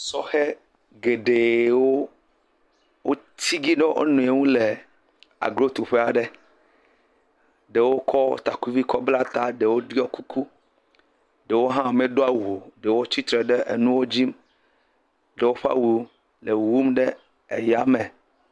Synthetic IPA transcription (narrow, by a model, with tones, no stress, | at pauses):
sɔ˦xe˦ | ɡe˨ɖe˨wo˦ | wo˦ | t̪i˦ɡi˦ɖe˦ʔḛ˦nũ˨e˨˦ŋũ˦le˨ | a̰˨ɡɾo˦t̪u˨ɸe˦a˨ɖe˦ | ɖe˨wo˦kʰɔ̰˦t̪a˨ku˦vi˦kɔ˦bla˦t̪a˦ɖe˨wo˦ɖi˦ɔ˦ku˦kʰu˦ | ɖe˨wo˦ɦã˦˨me˨ɖo˦a˨wu˨o˨ɖe˨wo˦t͡ɕi˦t̪ɾe˨ɖe˦ʔḛ˨nũ˦wo˦d͡ʑi˦m | ɖe˨wo˦ɸa̰˦wu˨˦ | le˨wu˦mɖe˦ | ḛ˨ja˦mẽ˨